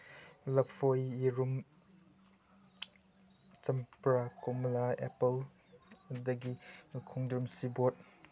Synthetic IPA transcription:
lɐfʰojiɾum | t͡ʃɐmpɾakɔmlaḛpɐl | dɐɡiukʰuŋdɾumsibot̚

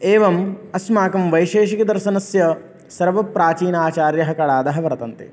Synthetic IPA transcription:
eːʋɐmɐsmaːkɐmʋɐjʃeːʃikɐd̪ɐɾʃɐnɐsjɐ | sɐɾʋɐpɾaːt͡ʃiːnaːt͡ʃaːɾjɐɦɐkɐɭaːd̪ɐɦɐʋɐɾɐt̪ɐnt̪ḛ

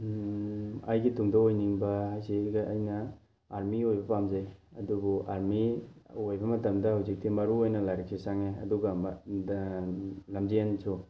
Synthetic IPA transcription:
ɐ̰jɡituŋdaojniŋbɐajsiɡɐjnɐ | aɾmiojbɐpamzajɐdubuʔaɾmiojbɐmɐtɐmdɐhawzik̚timɐɾuojnɐlajɾak̚sʰisaŋeɐ̰duɡɐm | lɐmziansʰu

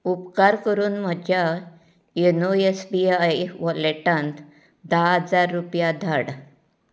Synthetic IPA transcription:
upkaɾkəɾuːnməd͡ʑʱja | enoesbiajʋɔleʈãnt̪ | d̪aɦəd͡zaɾːupjad̪ʱaɽ

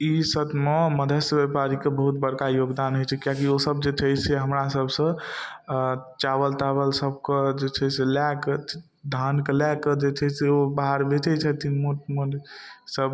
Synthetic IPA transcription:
isət̪meməd̪ʱəsbepaɾikebəɦut̪bəɾkajoɡd̪anɦojt͡ʃʰɛkijakiosəb̚d͡ʒet͡ʃʰəjsʰeɦəmɾasəbʱsə̃ | t͡ʃaβəlt̪abəlsəb̚ked͡ʒet͡ʃʰɛselak | d̪ʱankelɛked͡ʒet͡ʃʰɛseobaɦaɾbet͡ʃɛt͡ʃʰɛt̪inmuʈmunsəb

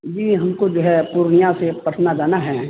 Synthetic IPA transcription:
d͡ʒiːɦɐmkod͡ʒoɦɛpuːɾɳijãsepəʈʰnad͡ʒaːnaɦɛː

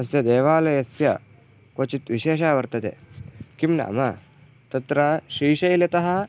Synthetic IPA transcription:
ɐsjɐd̪eːʋaːlɐjɐsjɐ | koːt͡ʃit̪ʋiʃeːʃaːʋɐɾt̪ɐt̪ḛkimna̰ːmɐ | t̪ɐt̪ɾɐʃiːʃɐjlet̪ɐɦɐ

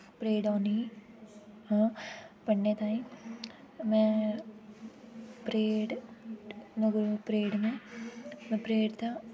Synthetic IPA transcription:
pɾeːɽɔːni | ɦãːpəɳːeːt̪aːĩ | mɛ̃ | pɾeːɖ | nəɡɾpɾeːɽmẽ | mɛ̃pɾeːɽt̪ã

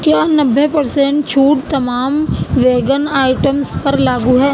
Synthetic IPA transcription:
kjaːnɐbʱːepɐɾsẽɳʈt͡ʃʰuːʈt̪ɐmaːmʋeːɡənaːɪʈəmspɐɾlaːɡuɦɛː

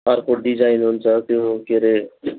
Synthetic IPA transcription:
ʌɾpʰoʈ̚ɖid͡ʒajnɦunt͡sʰʌt̪jokeɾe

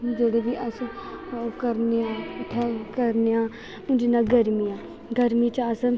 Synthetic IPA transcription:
d͡ʒeːɽeːbiːʔəs | kəɾneãʈʰːɛːkəɾneãː | ʊ̃d͡ʒinaːɡəɾmijãː | ɡəɾmiːt͡ʃəs

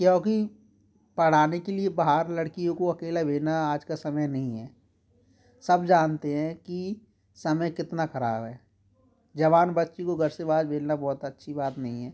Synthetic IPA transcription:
kjõːki | pɐɽ̤aːnekeliebaɦaɾlɐɽkijõkoɐkeːlabʱeːnaaːd͡ʒkasɐməjnɐɦĩɦɛː | sɐbd͡ʒaːnt̪eɦɛ̃ki | sɐməjkɪt̪nakɐɾa̰ːbɦɛː | d͡ʒɐʋaːnbɐtːʃikoɡʱɐɾsebaːd͡ʒbʱeːlnabɔːt̪ɐtːʃʰibaːt̪nɐɦĩɦɛː

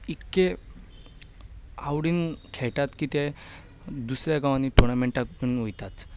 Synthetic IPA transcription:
ikːe | awɽiːnkʰɛʈat̪kiːt̪a | d̪usɾjaɡaʋaniʈɔɾnameɳʈakpinojt̪at̪

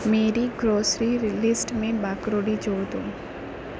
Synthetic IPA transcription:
meːɾiɡɾoːsɾiɾlɪsʈmẽbaːkɾoːɖid͡ʒoːd̪õː

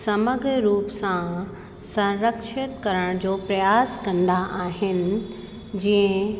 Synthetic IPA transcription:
sɐməɡɾɾuːpsã | sɐ̃ɾəkʃɪt̪kɐɾəɽ̃d͡ʑoːpɾɐjaːskɐ̃nd̪aʔaːɦɪnɪ̆ | d͡ʑiə̃

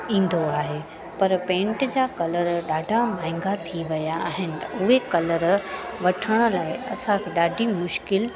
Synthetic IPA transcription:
ĩːn̆d̪oaːɦe | pɐɾpẽːɳʈd͡ʑaːkɐləɾɗaːɖʱamaːɪ̃ŋɡat̪ʰiʋɐjaːɦɪnɪt̪ɐʊɦekɐləɾʋɐʈʰəɽ̃ʊ̆laːɪɐ̰sãkʰeːɗaːɖʱimʊʃkɪl

